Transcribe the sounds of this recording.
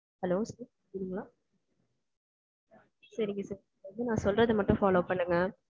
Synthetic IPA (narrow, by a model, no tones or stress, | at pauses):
hɐloːsɐːɾ | kɪːɽɯŋɡɐɭaː | sɐɾɪŋɡɐsɐɾɪ | ɐnd̪ɯnãːsɔlrɐðɯmɐʈːʊ̃faːloːpɐɳːɯŋɡɐ